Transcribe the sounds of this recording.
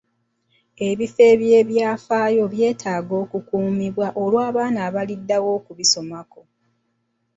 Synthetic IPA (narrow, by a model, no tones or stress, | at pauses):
e̞βife̞ːβje̞ːβjaːfaːjo̞βje̞ːtʰaːɡo̞ːkukuːmiβwaʔolwaːβaːnaːβalidːawo̞ːkuβiso̞mako̞